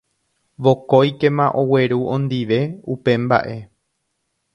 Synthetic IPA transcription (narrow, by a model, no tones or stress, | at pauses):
ʋo̞kojke̞mãʔo̞we̞ɾuʔõ̞nd̪iʋe̞upe̞mba̰ʔe̞